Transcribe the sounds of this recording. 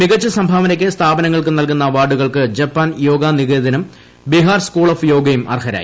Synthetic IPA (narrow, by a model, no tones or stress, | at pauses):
miɣɐt͡ɕːɨsɐmbʱaːʋɐnɐkʲːɨst̪ʰaːbɐnɐŋːɐɭk̬unɐlkunːɐʋaːɖuɣɐɭkɨd͡ʑɐpːaːnjo̞ːɡaniɣeːðɐnum | biɦaːrskuːɭoːfjo̞ːɡɐjumʔɐ̰rɦɐɾa̰ːjḭ